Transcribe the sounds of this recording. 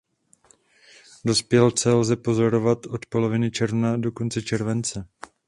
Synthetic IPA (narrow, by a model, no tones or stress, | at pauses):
do̞spjɛlt͡sɛlzɛpo̞zo̞ɾo̞vat̪ʔo̞t̪po̞lo̞vɪnɪt͡ʃɛɾvnado̞ko̞nt͡sɛt͡ʃɛɾvɛnt͡sɛ